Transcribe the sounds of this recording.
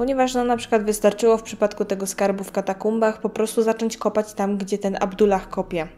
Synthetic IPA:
pɔɲɛvaʂnɔnapʂɨkwad̪vɘst̪aɾt͡ʂɘwɔfpʂɘ̥pat̪kut̪ɛɡɔskaɾbufkat̪akumbaxpɔpɾɔst̪uzat͡ʂɔɲt͡ɕkɔpat͡ɕt̪amɡd͡ʑɛt̪ɛna̰bd̪ulaxkɔpʲjɛ

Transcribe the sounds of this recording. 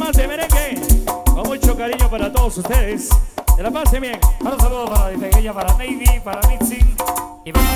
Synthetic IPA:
masd̪emeɾeŋɡebamujt͡ʃokaɾiɲopaɾat̪oðosust̪eðesd̪elapasemeŋaɾos̬aluðopaɾaðifeɣejapaɾanejβipaɾamitsi | ipa

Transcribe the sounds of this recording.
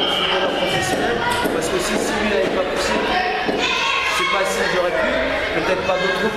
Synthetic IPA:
sid̪əlafɔ̃t̪isiɛ | paʁsə̥kəsisilɥiaɛpapusel | sepasiljɔʁɛp | pət̪ɛt̪χpad̪ot̪χu

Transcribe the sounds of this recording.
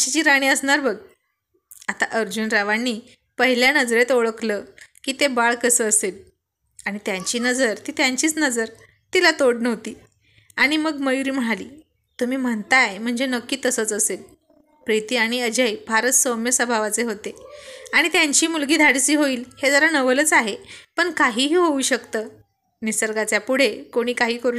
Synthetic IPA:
t͡ɕit͡ɕiːɾaɽ̃iːəsɳaɾbəɡ | at̪aʔəɾd͡ʑuːnɾaʋanːiː | pəɦiljanəd͡zɾet̪oɭəkləkiːt̪ebaɭkəsəːsel | aɽ̃it̪jãɲt͡ɕiːnəd͡zəɾt̪iːt̪jaɲt͡ɕiːt͡snəd͡zəɾ | t̪ilat̪oɽnəʋt̪iː | aɽ̃iməɡməjuɾiːm̤əɽ̃aliː | t̪um̤iːm̤əɳt̪ajm̤əɳd͡zenəkːiːt̪əsət͡səsel | pɾit̪iːaɽ̃iəd͡ʑəjbʱaɾət̪somjəsəbʱaʋat͡seɦot̪eaɽ̃it̪jaɲt͡ɕiːmulɡiːd̪ʱaɽt͡siːɦoiːlhed͡zəɾanəʋələt͡saɦepəɳkaɦiːɦiːɦouːɕəkt̪əː | nisəɾɡat͡sjapuɽ̤ekoɽ̃iːkaɦiːkəɾuː

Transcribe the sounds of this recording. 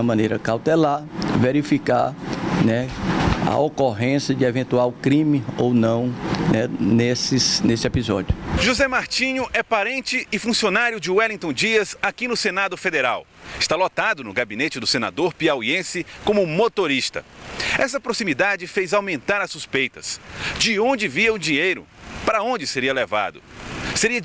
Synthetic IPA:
ɐmɐ̃nejɾɐkawt̪ɛlaɾveɾifikaɾnɛɐ̰okoɦẽsjɐd͡ʒɪevẽt̪uawkɾĩmɪownɐ̃w̃nɛnesɪsnesɪɛpizɔd͡ʒiʊʒuzɛmaɾt͡ʃĩɲʊʔɛpaɾẽnt͡ʃɪɪfũsionaɾjʊd͡ʒɪwɛlĩŋt̪õd͡ʒiɐzakinʊsenad̪ʊfed̪eɾaw | ɪ̥st̪alot̪ad̪ʊnʊɡabinet͡ʃɪd̪ʊsena̰d̪oɾpiawiẽsɪkõmʊmot̪oɾist̪ɐ̰ɛsɐpɾosimid̪ad͡ʒɪfejzawmẽnt̪aɾɐsuspejt̪ɐ̰sd͡ʒɪõd͡ʒɪviɐʊd͡ʒĩɲejɾʊ̰ | paɾɐõd͡ʒɪseɾiɐleva̰d̪ʊ̰seɾiɐ

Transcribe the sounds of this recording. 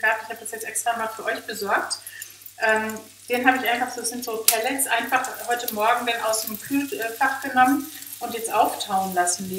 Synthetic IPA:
ɡ̥aːp̚tɪçhaːbədasjɛt͡sʔɛkstʁ̥aːmaːlfyːɐʔɔʏçb̥əzɔɐk̚t | ʔɛːm | d̥eːnɦaːbəɪçʔaɪnfaχz̥oːz̥ɪntz̥oːpʰɛlɛsʔaɪnfaχhɔʏtəmɔɐɡŋ̩danʔa̰ʊsd̥emkʰyːtʔɛːfaχɡ̥ənɔmən | ʔʊntjɛt͡stʔaʊftʰaʊənlasn̩mi

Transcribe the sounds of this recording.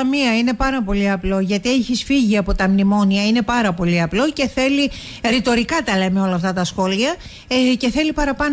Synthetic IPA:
ɐmiɐine̞pɐɾɐpo̞liɐplo̞ʝɐt̪ieçisfiʝiɐpo̞t̪ɐmnimo̞niɐine̞pɐɾɐpo̞liɐplo̞ce̞θe̞li | ɾit̪o̞ɾikɐt̪ɐlemio̞lɐːft̪ɐt̪ɐsxo̞liɐ | ce̞θe̞lipɐɾɐpɐn

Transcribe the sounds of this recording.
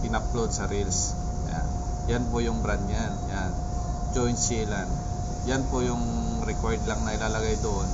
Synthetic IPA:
pɪnɐplod̪̚sɐɾils | ja̰ | janpojʊŋbɾand̪janjan | d͡ʒojnsiland̪ | janpojʊŋ | ɾɛkoɹd̪laŋnɐʔɪlaːlɐɡajd̪oʔon

